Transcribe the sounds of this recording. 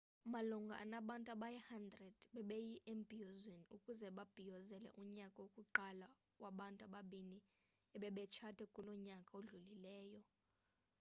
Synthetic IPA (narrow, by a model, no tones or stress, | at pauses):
maluŋɡʱa̰ʔa̰naɓantʼuaɓajɛhandrɛd̥ɓɛɓejiʔembʱiɔzwɛnukʼuzɛɓab̥ʱijɔzɛlɛ̰ʔuɲakʼaokʼuǃala | kwaɓantʼaɓaɓini | ɛɓɛɓɛt͡ʃʰatʰɛkʼulɔɲakʼaoɮulilɛːjɔ